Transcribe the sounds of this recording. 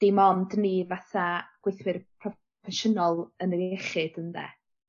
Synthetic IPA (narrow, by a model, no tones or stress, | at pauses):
d̥imɔndnivaθaɡ̥wejθwɪrpʰrɔ | fɛʃənɔlˠənərɛχɪd̥ənðɛ̰